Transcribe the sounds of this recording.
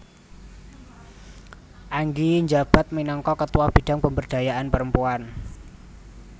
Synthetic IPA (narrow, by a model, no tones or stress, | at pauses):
ʔaŋɡiɲd͡ʒab̥a̤t̪̚minɔŋkɔkət̪uwab̥i̤ɖ̥a̤ŋpəmbərd̥a̤jaʔanpəɾəmpuan